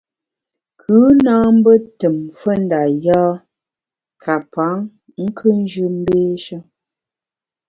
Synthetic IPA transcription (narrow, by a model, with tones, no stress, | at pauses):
kʰʉ˨˦naː˦m̩˦bə˦tə˨mfə˦n˦da˨jaː˦ | kʰa˨pa˨˦ŋ | ŋ̩˦kʰɨ˦n˦d͡ʒʉ˦m̩˦beː˦ʃə˦